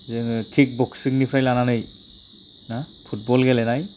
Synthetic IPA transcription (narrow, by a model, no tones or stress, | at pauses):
zɯŋkʰik̚bɔksiŋnipʰɾajlananɯj | na | pʰut̚bɔlɡɛlɛnaj